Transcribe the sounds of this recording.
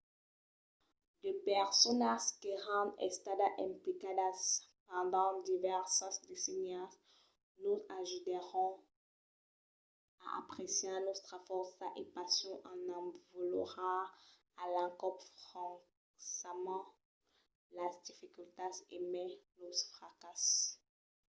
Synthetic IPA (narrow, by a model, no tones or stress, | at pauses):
depɛʁsɔnaʒkeʁɑ̃t̪ɛ̰st̪ad̪aʔɛ̃plikad̪aspɑ̃d̪ɑ̃d̪ivɛʁsasd̪esiɲɑ̃s | nuzaʒut̪eʁɔ̃ | aʔa̰pχesjanost̪χafɔʁsaʔepasjɔ̃ʔɑ̃nãvoloʁɑ̃ | alãkɔpfʁɑ̃ | samɑ̃ | lasd̪ifikylt̪asemɛ̃nofʁakas